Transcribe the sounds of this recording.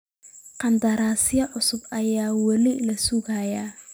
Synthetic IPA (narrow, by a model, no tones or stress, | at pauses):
qɑnd̪ɐɾaːsɪjɐʕʊsʊbɐjaːwɐlɪlɐsuɡaːja